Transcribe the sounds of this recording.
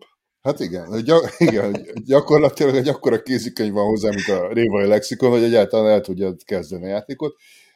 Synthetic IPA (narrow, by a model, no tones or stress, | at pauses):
hat̪iɡɛnhoɟɒiɡɛnhoɟoɟɒko̞rlɒt̪ilɒɡɛɟɒkːo̞ɾɒkeːzykøɲvɒnɦo̞zːaːmint̪ɒreːvɒjilɛksiko̞nho̞ɟɛɟaːlt̪ɒlanɛlt̪uɟːɒt̪kɛzd̪ɛniɒjaːt̪eːko̞t̪